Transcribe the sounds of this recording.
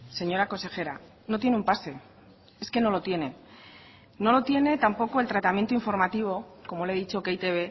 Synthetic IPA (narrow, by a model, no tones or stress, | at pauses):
se̞ɲo̞ɾako̞nse̞xe̞ɾa | not̪̬jenumpase̞ | e̞ske̞no̞lo̞t̪jene̞ | no̞lo̞t̪je̞ne̞t̪ampo̞ko̞et̪ɾat̪amje̞nt̪uiɱfo̞ɾmat̪iβ̞o̞ko̞moleðit͡ʃokeit̪e̞β̞e̞